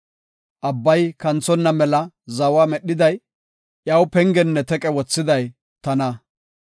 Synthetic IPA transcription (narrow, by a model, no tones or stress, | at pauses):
ʔɐbːɐjkɐnt͡sɔnːɐmɛlɐ | zɐwaːmɛɗːɪd̪ɐj | ʔjɐwpɛŋɡɛnːɛt̪ɛkʼɛwɔt͡sːɪd̪ɐj | t̪ɐnɐ